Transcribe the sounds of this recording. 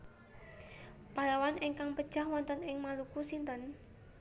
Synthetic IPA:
palawanɪŋkaŋpəd̥ʒ̥a̤hwɔnt̪ənɪŋmalukusint̪ən

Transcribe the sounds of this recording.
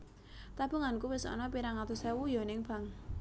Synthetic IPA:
t̪ab̥ṳŋankuwɪsɔ̰nɔpiɾaŋat̪usɛwujɔnɪŋb̥a̤ŋ

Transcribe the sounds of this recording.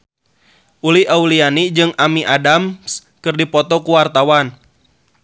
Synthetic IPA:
ʔuliaulianid͡ʒɨŋamiʔadams | kɨrdipɔt̪ɔkuwart̪awan

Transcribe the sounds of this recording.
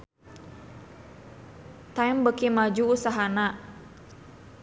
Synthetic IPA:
t̪ajmbəkimad͡ʒuːsaɦana

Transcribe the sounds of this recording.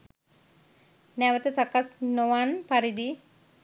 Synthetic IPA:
nɛʋət̪et͡sakasnoʋanpaɾid̪i

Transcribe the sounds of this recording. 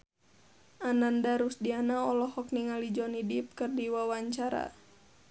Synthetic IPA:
ʔanandaɾusdianaɔlɔhɔk̚niŋalid͡ʒɔnidip̚kɨrdiwawaɲt͡ʃaɾa̰

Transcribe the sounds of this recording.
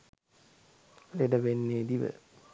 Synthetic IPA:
leɖɐʋenːeːd̪iʋə̰

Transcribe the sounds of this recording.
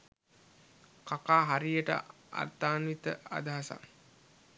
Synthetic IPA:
kakaːɦaɾijəʈə̰ | a̰rt̪aːnʋit̪əa̰d̪aɦasa̰

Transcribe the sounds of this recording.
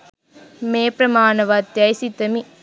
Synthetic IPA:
meːpɾɐmaːnɐʋat̪jajsit̪ɐmi

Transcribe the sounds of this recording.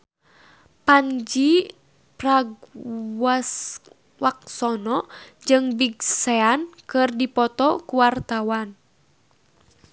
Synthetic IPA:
paɲd͡ʒi | praɡwas | wak̚sɔnɔd͡ʒɨŋbiɡsɛankɨrdipɔt̪ɔkuwart̪awan

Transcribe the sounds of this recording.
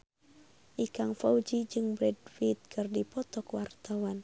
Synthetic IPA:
ʔikaŋfawd͡ʒid͡ʒɨŋbɾɛdfit̪̚kʰɨrdipɔt̪ɔkwart̪awan

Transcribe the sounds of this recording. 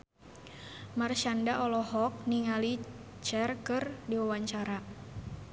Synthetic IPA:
marʃandaʔɔlɔɦɔk̚niŋali | t͡ʃɛrkɨrdiwawaɲt͡ʃaɾa

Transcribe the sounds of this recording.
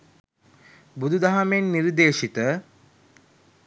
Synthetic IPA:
bud̪ud̪aɦamenːiɾd̪eːʃit̪ə

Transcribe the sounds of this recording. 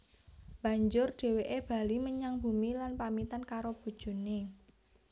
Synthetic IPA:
b̥a̤ɲd͡ʒʊrɖ̥e̤weʔeb̥a̤liməɲaŋb̥umilanpamit̪ankaɾob̥ṳd̥ʒ̥ṳne

